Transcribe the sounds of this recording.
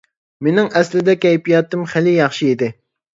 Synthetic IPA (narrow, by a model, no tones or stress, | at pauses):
menɪŋɛslɪd̪ɛkʲɛjpijɑt̪ːɨmχɪlɪjɑχʃiid̪ɪ